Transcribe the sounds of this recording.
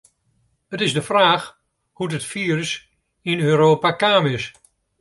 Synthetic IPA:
ətɪzdəfraːx | hudətfiːrəs | inøːɾoːpakaːmɪs

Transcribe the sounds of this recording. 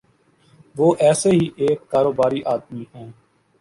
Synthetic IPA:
ʋoːʔɛːseɦiʔeːkːaːɾoːbaːɾiʔaːd̪miɦɛ̃ː

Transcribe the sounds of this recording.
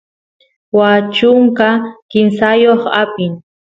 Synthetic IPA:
wat͡ʃʊŋkakɪnsajoχapɪŋ

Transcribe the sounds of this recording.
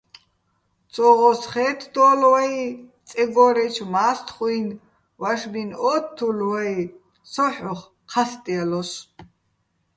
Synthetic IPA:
t͡sʼɔʁɔsχɛːt̪ʰd̪ɔːlwait͡sʼɛɡɔɾɛt͡ʃʰmaːst̪ʰχʼujn | waʃbinɔːtt̪ʰːulwai | sɔħɔχ | qʰast̪ʼialɔs

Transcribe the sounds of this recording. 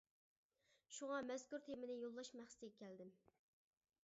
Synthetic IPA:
ʃuʁɑmɛzkuɾt̪ʰemɪnɪjolˠːɑʃmæχsɪ̥t̪ɪɡʲɛkʲʰɛld̪ɪm

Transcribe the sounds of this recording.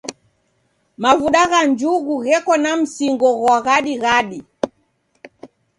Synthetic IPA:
mavuɗaɣand͡ʒuɣuɣɛkɔnam̩siŋɡɔɣwaɣaɗiɣaɗi

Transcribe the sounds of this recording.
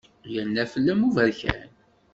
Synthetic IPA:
jənːæfəlːæmuvæɾçæ̰n

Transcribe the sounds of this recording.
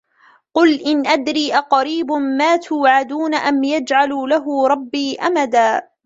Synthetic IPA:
qʊlʔɪnʔad̪ɾiːʔaqɑɾiːbʊmaːt̪ʰʊːʕad̪uːnaʔamjad͡ʒʕaluːlaɦʊɾˤɑbːiːʔamad̪aː

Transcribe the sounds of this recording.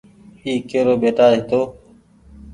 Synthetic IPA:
iːkeːɾoːbeːʈaːɦɪt̪oː

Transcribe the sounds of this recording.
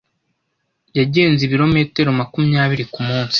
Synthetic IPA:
jaɟe̞ːnziβiɾo̞me̞ːte̞ɾo̞makumuɲaːβiɾikumuːnsi̥

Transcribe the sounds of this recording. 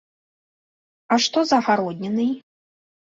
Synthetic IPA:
aʂt̪ɔzɐxaɾɔd̪ʲnʲɛnɨj

